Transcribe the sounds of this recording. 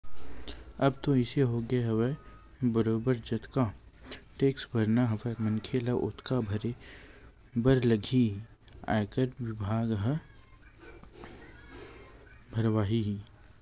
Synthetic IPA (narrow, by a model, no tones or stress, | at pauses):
ɐbt̪oɪseɦoɡeɦɐʋe | bəɾoːbəɾd͡ʒɐt̪ka | ʈeːksbɐɾnaɦɐʋəmɐnkʰelaʔʊt̪kabʱɐɾe | bəɾlɐɡʱi | a̰ːkəɾʋɪbʱaːɡɦə | bʱɐɾʋaːɦi